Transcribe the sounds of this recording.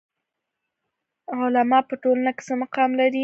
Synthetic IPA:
ʊlamɑpəʈolanakɪ̥səmaqɑmlaɾi

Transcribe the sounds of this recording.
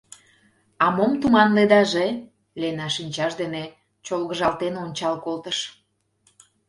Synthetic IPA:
ɑmomt̪umɑnled̪ɑʒe | lenɑʃinʲt͡ɕɑʒd̪ene | t͡ɕolɣəʒɑlt̪enonʲt͡ɕɑlkolt̪əʃ

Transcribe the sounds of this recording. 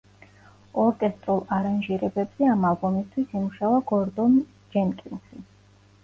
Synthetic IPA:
ɔɾkʼɛst̪ʼɾulˠaɾanʒiɾɛbɛbz̥ɛamalˠbɔmist̪ʰwisimuʃavaɡɔɾd̪ɔn | d͡ʒɛnkʼilʃi

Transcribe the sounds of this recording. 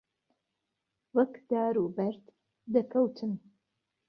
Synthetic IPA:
wɐkd̪̥aːɾuːbɐɾt̪ | d̪ɐkʰɐwt̪ʰɨm

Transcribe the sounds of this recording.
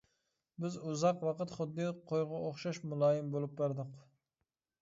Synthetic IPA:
bɪzuzɑqwɑqət̪χʊd̪ːɨqʰojʁɑoχʃɑʃmulˠɑːjɪmbolˠup̚bæɾd̪ɨq

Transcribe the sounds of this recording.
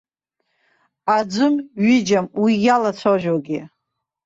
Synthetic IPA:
ad͡zʷɨmɥɪd͡ʒamwijalat͡sʷʰoʒᶣoɡʲi

